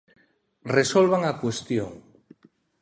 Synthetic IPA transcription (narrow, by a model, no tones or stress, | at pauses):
resolβ̞aŋakwest̪joŋ